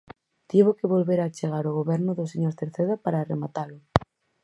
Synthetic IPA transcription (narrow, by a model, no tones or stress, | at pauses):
t̪iβokeβolβeɾat͡ʃeɣ̞aɾoɣoβɛɾnʊðʊseɲoɾθeɾθeðapaɾaːremat̪alʊ